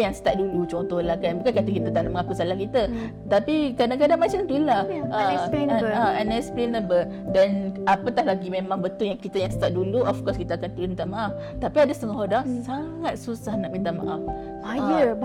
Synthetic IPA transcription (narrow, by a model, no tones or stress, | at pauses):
jaŋsə̥t̪aʔ̪̚dulut͡ʃɔnt̪ɔhlakannbukankat̪ukit̪ət̪aʔnaʔməŋakusalahkit̪ə | t̪apikadaŋkadaŋmat͡ʃamt̪ulahəsaanɛksplenə̃bə | danapət̪aɦlaɡimẽmãŋbət̪ʊljaŋkit̪əjaŋsə̥t̪aʔ̚duluɔfkɔskit̪əakant̪umint̪aʔmaʔaf | t̪apiadasə̥t̪əŋɔɦɔdaŋsaŋat̪̚susahnaʔ̚mint̪̬aʔma̰ʔaf | ajə